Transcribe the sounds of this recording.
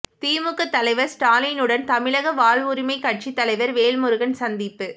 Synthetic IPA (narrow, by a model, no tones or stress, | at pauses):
t̪iːmɯkːɯt̪ːɐlɐɪʋɐɾsʈaːlinɯɽɐnt̪ɐmɪɭɐɣɐʋaːlʋʊɾɪmɐɪkːɐʈ̚t͡ʃit̪ːɐlɐɪʋɐɾʋeːlmɯɾɯɣɐnsɐnd̪ɪpːɯ